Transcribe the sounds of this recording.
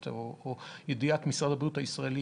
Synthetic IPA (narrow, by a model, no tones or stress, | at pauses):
oojed̪iat̪misʁad̪abʁijut̪aisʁaeli